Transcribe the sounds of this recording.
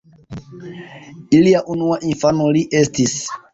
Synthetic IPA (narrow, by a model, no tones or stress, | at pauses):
iliaʔunuaʔinfanoliʔe̞stis